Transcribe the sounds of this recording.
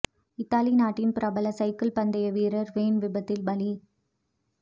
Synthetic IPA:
ɪt̪ːaːlinaːʈːɪnpɪɾʔɐbɐlɐsɐɪkɐlpɐnd̪ɐjɐʋiːɾɐɾʋeːnʋɪbɐt̪ːɪlbɐli

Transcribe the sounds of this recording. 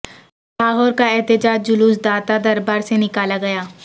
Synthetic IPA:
ʈʰaːɦoːɾkaɛɦt̪ɪd͡ʒaːd͡ʒd͡ʒʊluːsd̪aːt̪ad̪ɐɾbaːɾsenɪkaːlaɡɐjaː

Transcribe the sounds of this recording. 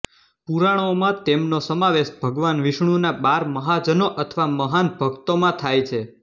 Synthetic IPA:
puɾaɽ̃omãt̪emnosəmaʋeʃbʱəɡʋanʋiʃɳ̃unaɓaɾməɦad͡ʒənoʔət̪ʰʋaməɦanbʱəɡt̪omãt̪ʰajt͡ʃʰe

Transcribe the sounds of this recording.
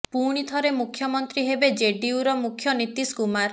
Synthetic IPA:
puɽ̃it̪ʰɔɾemukʰːjɔmɔnt̪ɾiɦebed͡ʒeɖiuɾɔmukʰːjɔnit̪iskumaɾ

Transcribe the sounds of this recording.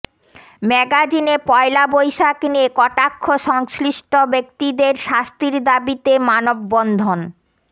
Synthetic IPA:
mɛɡad͡ʑinepɔelabojʃakniekɔʈakʰːoʃɔŋsliʃʈobek̚t̪id̪eɾʃast̪iɾd̪abit̪emanobːɔnd̪ʱon

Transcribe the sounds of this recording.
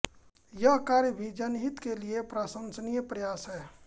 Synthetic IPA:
jəɦkaːɾjəbʱid͡ʒənɦit̪keliepɾaːsənsnijəpɾəjaːsɦɛː

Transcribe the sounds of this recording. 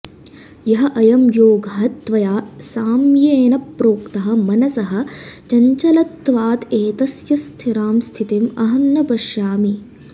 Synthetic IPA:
jɐɦɐʔɐjɐmjoːɡɐɦɐt̪ʋɐjaːsaːmjeːnɐpɾoːkt̪ɐɦɐ̆mɐnɐsɐɦɐ̆t͡ʃɐɲt͡ʃɐlɐt̪ʋaːt̪eːt̪ɐsjɐst̪ʰiɾaːmst̪ʰit̪imɐɦɐnːɐpɐʃjaːmi

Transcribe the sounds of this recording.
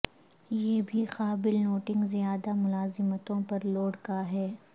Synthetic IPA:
jeːbʱixaːbɪlnoːʈɪ̃ŋɡzijaːd̪amʊlaːzɪmət̪õpɐɾloːɽkaɦɛː

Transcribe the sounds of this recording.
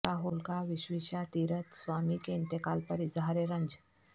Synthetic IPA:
aɦolkaʋiɕʋiɕat̪iɾət̪sʋamikent̪ekalpəɾid͡zəɦaɾeɾəɲd͡ʑ

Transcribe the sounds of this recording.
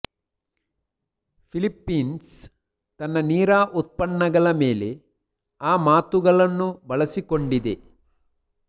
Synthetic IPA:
pʰilipːiːns | t̪ɐnːɐniːɾaːʔut̪̚pɐɳːɐɡɐɭɐmeːle̞ | aːmaːt̪uɡɐɭɐnːubɐɭɐsikoɳɖid̪e

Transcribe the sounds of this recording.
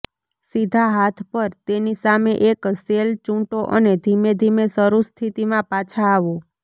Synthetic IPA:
sid̪ʱaɦat̪ʰpəɾt̪enisameʔekselt͡ʃũʈoʔəned̪ʱimed̪ʱimesəɾust̪ʰit̪imãpat͡ʃʰaːʋo

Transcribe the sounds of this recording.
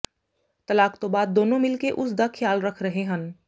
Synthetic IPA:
t̪ɐlaːkt̪obaːd̪̚ːoːnõmɪlkeʔʊsd̪akʰjaːlɾɐkʰɾɐɦeɦɐ̃n

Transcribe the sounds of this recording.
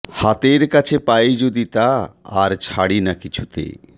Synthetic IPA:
hat̪eɾkat͡ɕʰepajd͡ʑod̪it̪a̰ːɾt͡ɕʰaɽinakit͡ɕʰut̪ḛ

